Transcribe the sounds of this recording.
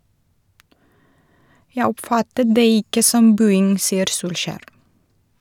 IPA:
ˈjæɪ ˈɔpˌfɑtət ˈdeː ˈɪkə ˈsɔm ˈbʉːɪŋ ˈsiːəɾ ˈsuːlˌʃæːɾ

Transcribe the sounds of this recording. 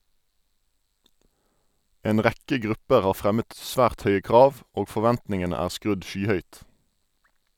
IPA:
ˈeːn ˈʁækə ˈɡʁʉpəʁ ˈɑː ˈfʁɛmət ˈsʋæːʁt ˈœʏə ˈkʁɑːʋ ˈoːɡ fɔˈʋɛntnɪŋənə ˈæːʁ ˈskʁʉd ˈʃyːˌhœʏt

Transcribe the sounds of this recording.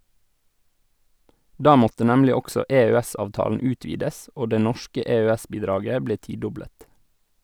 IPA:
ˈdɑː ˈmɔtə ˈnɛmlɪ ˈɔɡsɔ eːøːˈɛsɑːʋˌtɑːlən ˈʉːtʋiːdəs ˈoː ˈdeː ˈnɔʃkə eːøːˈɛs ˈbiːdɾɑːɡə ˈbleː ˈtiːˌdɔbɽət

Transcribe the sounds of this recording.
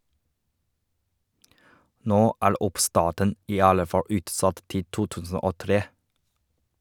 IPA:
ˈnoː ˈæːɹ ˈʊpˌstɑːʈən ˈiː ˈɑlə ˈfɑ ˈʉːtˌsɑt ˈtɪ ˈtuː ˈtʉːsn̩ ˈoː ˈtɾeː

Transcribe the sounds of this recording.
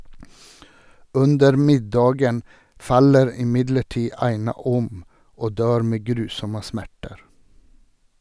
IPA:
ˈʉndəɾ ˈmɪdɑːɡən ˈfɑləɾ ɪˈmɪdləˌʈiː ˈɑɪnɑ ˈɔm ˈoː ˈdøːɾ ˈmeː ˈɡɾʉːsɔmə ˈsmæʈəɾ

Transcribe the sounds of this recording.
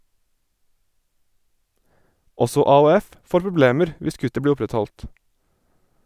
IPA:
ˈɔsɔ ɑːuːˈɛf ˈfoːɾ pɾʊˈbleːməɾ ˈʋɪs ˈkʉtə ˈbliː ˈʊpɾɛtˌhɔlt

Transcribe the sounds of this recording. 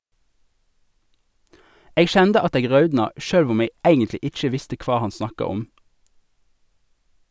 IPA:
ˈeːɡ ˈʃɛndə ˈɑt ˈeːɡ ˈʁɑʉdnɑ ˈʃøːlʋ ˈʊm ˈeːɡ ˈæɪɡəntlɪ ˈɪc͡çə ˈʋɪstə ˈkʋɑː ˈhɑn ˈsnɑkɑ ˈɔm

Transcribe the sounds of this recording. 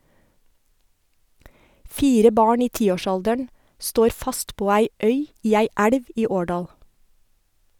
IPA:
ˈfiːɾə ˈbɑːɳ ˈiː ˈtiːoːˌʃɑldəɳ ˈstoːɾ ˈfɑst ˈpoː ˈæɪ ˈœʏ ˈiː ˈæɪ ˈæɽʋ ˈiː ˈoːɖɑːl

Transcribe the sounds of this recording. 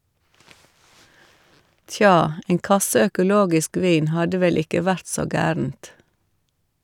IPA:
ˈtjɑː ˈeːŋ ˈkɑsə œkʊˈloːɡɪsk ˈʋiːn ˈhɑdə ˈʋɛl ˈɪkə ˈʋæɾt ˈsoː ˈɡæːɾn̩t

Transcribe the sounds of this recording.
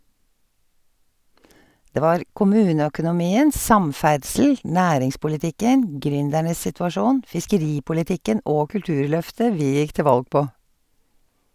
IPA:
ˈdeː ˈʋɑːɾ kʊˈmʉːnəœkʊnʊˌmiːən ˈsɑmˌfæɖsl̩ ˈnæːɾɪŋspʊlɪˌtɪkən ˈɡɾʏndæɳəs sɪtʋɑˈʃuːn fɪskəˈɾiːpʊlɪˌtɪkən ˈʔoː kʉlˈtʉːɹˌlœftə ˈʋiː ˈjɪk ˈtɪ ˈʋɑlɡ ˈpoː

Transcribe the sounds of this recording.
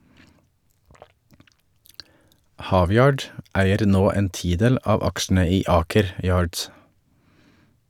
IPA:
ˈhɑːˌʋjɑːɖ ˈæɪəɾ ˈnoː ˈeːn ˈtiːˌdeːl ˈɑːʋ ˈɑkʃn̩ə ˈiː ˈɑːkəɾ ˈjɑːɖs

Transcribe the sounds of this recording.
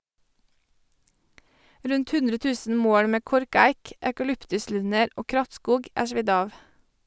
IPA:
ˈɾʉnt ˈhʉndɾə ˈtʉːsn̩ ˈmoːɽ ˈmeː ˈkɔɾˌkæɪk ækɑˈlʏptʉˌslʉnəɾ ˈoː ˈkɾɑtˌskuːɡ ˈæː ˈʃʋɪd ˈɑːʋ

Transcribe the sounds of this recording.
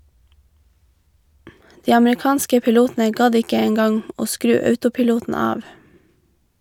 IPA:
ˈdiː ɑmɹɪˈkɑːnskə pɪˈluːtn̩ə ˈɡɑd ˈɪkə ˈeːŋ ˈɡɑŋ ˈoː ˈskɾʉː ˈœʉtʊpɪˌluːtn̩ ˈɑːʋ

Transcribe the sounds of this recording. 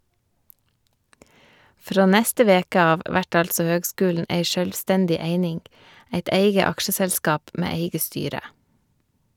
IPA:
ˈfɾoː ˈnɛstə ˈʋeːkə ˈɑːʋ ˈʋæʈ ˈɑlsɔ ˈhøːɡˌskʉːln̩ ˈʔeɪ ʃœlˈstɛndɪ ˈeɪnɪŋ ˈæɪt ˈeɪɡə ˈɑkʃəsɛlˌskɑːp ˈmeː ˈeɪɡə ˈstyːɾə

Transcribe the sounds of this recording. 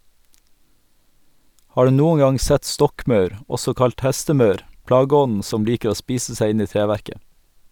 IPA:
ˈhɑː ˈɖʉː ˈnuːə ˈɡɑŋ ˈsɛt ˈstɔkˌmɑʉɾ ˈɔsɔ ˈkɑlt ˈhæstəˌmœɾ ˈplɑːɡəˌɔnn̩ ˈsɔm ˈliːkə ˈoː ˈspiːsə ˈsæɪ ˈɪn ˈiː ˈtɾeːˌʋæɾkə

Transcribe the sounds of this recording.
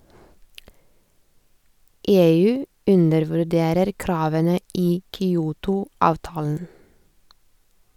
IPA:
ˈeːˌʉː ˈʉnəɾʋʉˌɖeːɾəɾ ˈkɾɑːʋənə ˈiː kʏˈuːtʊ ˈɑːʋtɑːln̩

